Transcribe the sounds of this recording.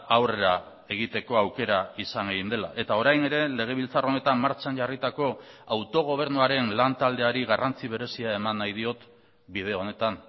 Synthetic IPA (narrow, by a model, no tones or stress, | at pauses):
awre̞ɾa | e̞ɣ̞it̪e̞ko̞awke̞ɾaisaŋɡeɣind̪e̞la̰ʔe̞t̪ao̞ɾajne̞ɾe̞le̞ɣ̞e̞β̞ilt͡saro̞ne̞t̪ammaɾt͡ʃanʝarit̪ako̞ | awt̪o̞ɣ̞o̞β̞e̞ɾnuaɾe̞nlant̪ald̪e̞aɾiɣarʔant͡siβ̞e̞ɾe̞siae̞manːajðio̞t̪ | bið̞e̞o̞ne̞t̪an